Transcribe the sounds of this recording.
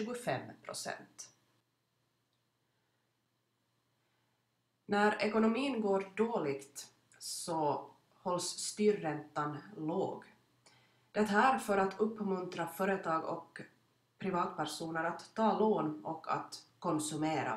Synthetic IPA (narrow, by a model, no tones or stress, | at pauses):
ʉːɡʊfɛmːpʰɾʊ̰sɛ̰nt̪ | næɾɛkʊnʊmiːənɡoːɾɖoːlɪɡt̪ | sɔ | hɔlsːt̪yːɾːɛnt̪ːanloːɡ | d̪̥ɛt̪æɾfœɾat̪ʰɵpːmɵnt̪ɾafœːɾɛt̪ʰɑːɡɔ̰k | pʰɾɪvɑːt̪pæɾʂuːnəɾat̪ʰːɑːloːnɔkʰːa̰t̪kʰɔnsɵmeːɾa̰